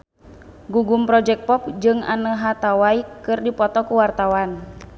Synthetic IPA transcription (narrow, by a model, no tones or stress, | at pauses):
ɡuɡumpɾɔd͡ʒɛk̚pɔp̚d͡ʒɨŋa̰nəɦat̪awaikɨrdipɔt̪ɔkuwart̪awan